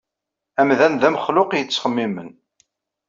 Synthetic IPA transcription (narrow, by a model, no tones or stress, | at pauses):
æmðænðæmχlʊqjət͡sːχəmːimən